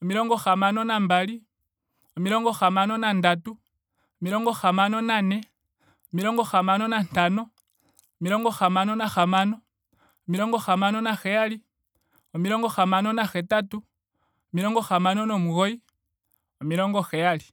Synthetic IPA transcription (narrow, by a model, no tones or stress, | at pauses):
omiɾoːŋɡoxamanonambali | omiɾoːŋɡoxamanonandatu | omiɾoːŋɡoxamanonane | omiɾoːŋɡoxamanonantano | miɾoŋɡoxamanonaxamano | omiɾoŋɡoxamanonaxejali | omiɾoːŋɡoxamanonaxetatu | omiɾoŋɡoxamanonomuɣoi | omiɾoːŋɡoxejali